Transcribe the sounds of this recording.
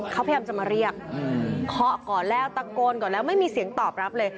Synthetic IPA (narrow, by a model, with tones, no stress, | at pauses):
kʰa˦˥wpʰjaː˧mt͡ɕa˨˩ma˧ɾi˥˩ək̚ːkʰɔ˦˥kɔː˨˩nlɛː˥˩wt̪a˦˧koː˧nkɔː˨˩nlɛː˦˥wma˥˩jmiː˧si˩˦əŋt̪ɔː˨˩p̚ɾa˦˥p̚lɤː˧j